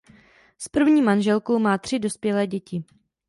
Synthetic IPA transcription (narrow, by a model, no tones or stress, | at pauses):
spr̩vɲiːmanʒɛlkowmaːt̪r̝̥ɪdo̞spjɛlɛːɟɛcɪ